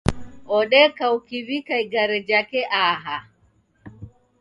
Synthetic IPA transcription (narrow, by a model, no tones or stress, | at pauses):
ʔɔɗɛkawkivikajɡaɾɛd͡ʒakɛʔaːɦa